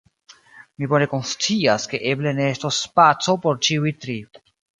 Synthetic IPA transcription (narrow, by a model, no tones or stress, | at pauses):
mibo̞ne̞ko̞nst͡siaske̞ʔe̞ble̞ne̞estosːpat͡so̞po̞ɾt͡ʃiujtɾi